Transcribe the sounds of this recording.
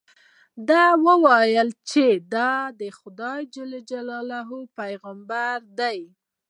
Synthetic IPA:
d̪ɑwəwɑjəlt͡ʃed̪ɑd̪əxʊd̪ɑjd͡ʒəled͡ʒalɑlaɦopajɣambaɾd̪aj

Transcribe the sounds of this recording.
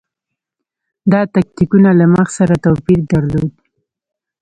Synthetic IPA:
d̪ɑt̪ak̚t̪ikunalaməxsaɾat̪opiɾd̪aɾlod̪̚

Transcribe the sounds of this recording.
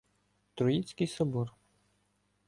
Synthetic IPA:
t̪ɾʊit͡sʲkɪjsɔbɔr

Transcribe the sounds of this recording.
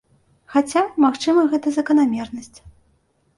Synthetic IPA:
xat͡sʲamaxt͡ʂɨmɐɣɛt̪ɐzɐkɐnamʲɛrnɐsʲt͡sʲ

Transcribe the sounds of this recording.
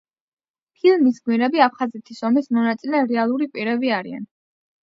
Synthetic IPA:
pʰilˠmisɡwiɾɛbiapʰχazɛt̪ʰisɔmismɔnat̪sʼilɛɾɛalˠuɾipʼiɾɛbiaɾia̰n

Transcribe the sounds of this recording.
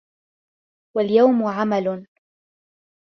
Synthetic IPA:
waljawmʊʕamal

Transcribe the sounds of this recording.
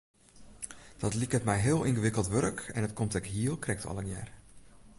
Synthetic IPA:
d̥ɔtlikətmɛjɦɪəlˠʔinɣəʋɪkəlˠtʋørkɛnətkʰomtɛkɦiəlˠkrɛk̚tɑ̰lˠənjɛ̰ːr

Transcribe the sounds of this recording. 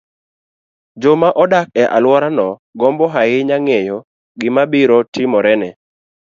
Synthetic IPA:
d͡ʒomaʔɔdak̚ɛʔa̰lwɔɾanɔɡɔmbɔɦaɪɲaŋejɔ | ɡɪmabiɾɔtɪmɔɾɛnɛ

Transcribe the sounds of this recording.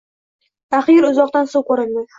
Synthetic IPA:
aχɨjɪɾʊzɒqt̪ansowkʰoɾɪnd̪ɪ

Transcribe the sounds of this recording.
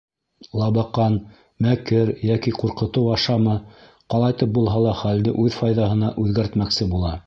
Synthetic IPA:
lˠɑβɑqɑn | mækɘɾjækiquɾqɤ̆t̪ɤwɑʃɑmɤ | qɑlˠɑjt̪ɤp̚bulˠɦɑlˠɑχæld̪ɘʔʉðfɑjðɑhɤ̆nɑʔʉðɡæɾt̪mæksɘbulˠɑ

